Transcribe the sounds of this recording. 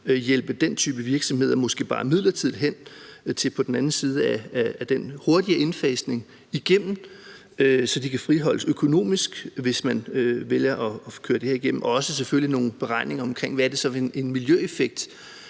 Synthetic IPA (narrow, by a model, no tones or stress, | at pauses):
jel̰b̥əd̥ent͡sʰy̰ːb̥əʋiɐɡ̥sɒ̽mhe̝ð̞̰ˠɐmɒ̽sɡ̥e̝̰ːb̥ɑ̈ːmið̞̰ˠlɐt͡sʰið̰ˠɦen̰t͡sʰe̝pʰɒ̽d̥n̩æn̩siːð̞ˠəæːd̥enho̝ɐd̥iəʔe̝nfɛːsne̝ŋ | iɡ̥em̰m̩ | øsɒ̽d̥ikʰæfʁiɦɒ̽l̰əsøkʰo̝no̝̰ːmisɡ̥ʋe̝smænøʋeljɐʔɒ̽kʰøːɐd̥e̝heɐiɡ̥em̰m̩ʔɒ̽ɒ̽səs̬efølino̝ːn̩b̥e̝ʁɑ̈ɪ̰ne̝ŋɐɒ̽mkʰʁeŋ̰ʋææɐd̥e̝sɒ̽ene̝nmiljøefeɡ̥̚d̥